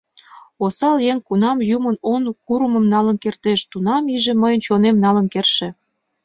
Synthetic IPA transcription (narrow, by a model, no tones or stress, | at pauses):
osɑljeŋkunɑmjumənonkuɾəməmnɑlənkert̪eʃt̪unɑmiʒĕməjənt͡ɕonemnɑlə̆nkerʃĕ